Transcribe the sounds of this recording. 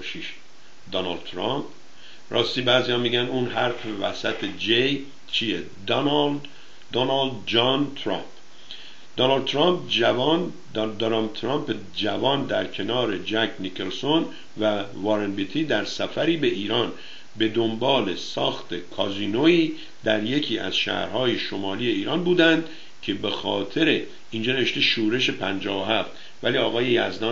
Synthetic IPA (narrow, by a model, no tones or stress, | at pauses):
ʃiʃ | d̪ɒnɑld̪t̪ʰɾɑmp | ɾʔɒ̰ːst̪iːbæːzijɒmiːɟænuːnɦæɾfevæsæt̪ʰed͡ʒej | t͡ʃʰije | d̪ | d̪onɑld̪d͡ʒɒnt̪ʰɾɑ̰mp | d̪̥onɑld̪̚t̪ʰɾɑmpævn | d̪d̪oɾɑmt̪ʰɾɑmp | d͡ʒævɒːnd̪æɾcʰe̞nɒːɾe̞d͡ʒækʰnikʰelso̞n | væ | vɑɾenbit̪ʰiːd̪æɾsæfæɾiːbe̞ʔiːɾɒːn | be̞d̪ombɒːle̞sɒːxt̪e̞kʰɒziːnoiː | d̪æɾje̞cʰiːæ̰z̥ʃæ̰ːhɾhɒːjeʃo̞mɒːliːje̞iːɾɒːnbuːd̪ænd̪ | cʰe̞be̞xɒːt̪ʰe̞ɾe | ind͡ʒɒːneeʃt̪eʃuːɾe̞ʃe̞pʰænd͡ʒɒːvoɦæft̪ | væliːɒːɣɒːje̞jæzd̪ɒ